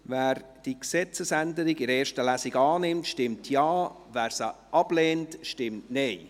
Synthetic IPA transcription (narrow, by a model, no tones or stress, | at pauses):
væːɾ | d̥iksɛt͡səsændəɾɪɡɪɾeːɾʃtəlæsɪɡɑːnɪmtʃtɪmtʰjɑː | væːɾsəʔɑb̥leːntʃtɪmtneɪ